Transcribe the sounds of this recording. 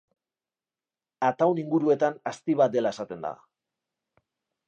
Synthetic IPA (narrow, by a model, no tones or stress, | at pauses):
at̪awniŋɡuɾue̞t̪anast̪iβat̪̚d̪e̞lae̞sat̪e̞nd̪a̰